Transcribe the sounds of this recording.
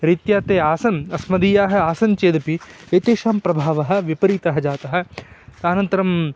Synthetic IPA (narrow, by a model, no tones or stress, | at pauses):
ɾit̪jaːt̪eːaːsɐnɐsmɐd̪iːjaːɦɐ̆aːsɐnt͡ʃeːd̪ɐpiet̪eːʃaːmpɾɐbʱaːʋɐɦɐ̆ʋipɐɾiːt̪ɐɦɐd͡ʒaːt̪ɐɦɐ̆t̪aːnɐnt̪ɐɾɐm